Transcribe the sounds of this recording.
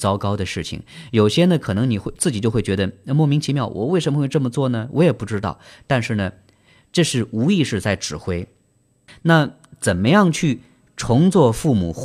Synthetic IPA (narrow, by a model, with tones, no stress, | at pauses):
t͡sɑ˥ʊkɑ˥ʊd̪ə˨ʂɻ̩˥˩t͡ɕʰḭ˨˩ŋjo˨˩ʊɕjɛ˥nə˨kʰɤ˨˩nɤ˧˥ŋni˨˩xwe˥˧ɪt͡sɹ̩˥˩t͡ɕi˨˩t͡ɕjo˥˧ʊxe˥˩ɪt͡ɕɥɛ˧˥d̪ə˧mwɔ˥˩mi˧˥ŋt͡ɕʰi˧˥mjɑ˥˩ʊwɔ̰˨˩we˥˩ɪʂ̬ə˧˥mə˧we˥˧ʈ͡ʂɤ˥˩mə˩t͡swɔ˥˩nə˩wʔɔ˧˥jɛ˨˩pu˥˩ʈ͡ʂɻ̩˥t̪ɑ˥˩ʊt̪a˥˧nʂɻ̩˥˩nə˩ | ʈ͡ʂɤ˥˧ʂɻ̩˥˩u˧˥i˥˧ʂɻ̩˥˧t͡sa˥˩ɪʈ͡ʂɻ̩˨˩xwe˥ɪ | na˥˩ | t͡sə˨˩nmə˧˦jɑ˥˧ŋt͡ɕʰy˥˩ | ʈ͡ʂʰʊ˧˥ŋt͡swɔ˥˧fu˥˩mṵ˨˩